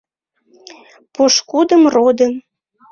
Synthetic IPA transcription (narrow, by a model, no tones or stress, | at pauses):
poʃkud̪əmrod̪ə̆m